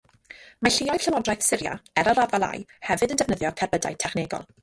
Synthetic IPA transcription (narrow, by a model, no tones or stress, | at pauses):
maɬiɔjvɬəwɔdrajθsɪɾja̰ɛɾaɾavalˠa̰jhɛvɨdəndɛvnəðjɔkʰɛrbəda̰j̚tʰɛχneːɡɔ̰lˠ